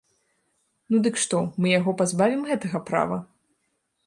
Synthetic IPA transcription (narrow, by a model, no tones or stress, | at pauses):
nud̪ɨkʂt̪ɔmɨjaɣɔpazbavʲimɣɛt̪ɐɣɐpɾa̰vɐ